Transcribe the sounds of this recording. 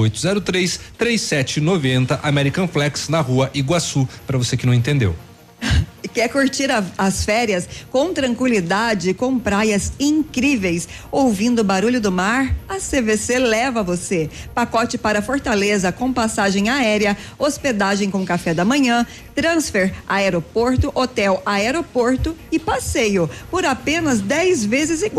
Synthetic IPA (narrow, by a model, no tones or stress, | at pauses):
ojt̪ʊzɛɾʊt̪ɾejst̪ɾejsɛt͡ʃɪnovẽnt̪ɐʔamɛɾikɐ̃flɛksnɐhuɐʔiɡwasupɾɐvosekɪnɐ̃ẽt̪ẽnd̪ḛw | kɛkuɾt͡ʃiɾɐɐsfɛɾiɐskõw̃t̪ɾɐ̃ŋkwilid̪ad͡ʒɪkõw̃pɾajɐzĩŋkɾivejs | owvĩnd̪ʊbaɾuʎʊd̪ʊmaɾɐseveselɛvɐvosepakɔt͡ʃɪpaɾɐfoɾt̪alezɐkõw̃pasaʒẽj̃aɛɾiɐosped̪aʒẽj̃kõkafɛd̪ɐmɐ̃ɲɐ̃ | t̪ɾɐ̃sfɛɾaɛɾopoɾt̪ʊʔot̪ɛwaɛɾopoɾt̪ʊɪpasejʊpoɾapẽnɐzd̪ɛjzvezɪzɪ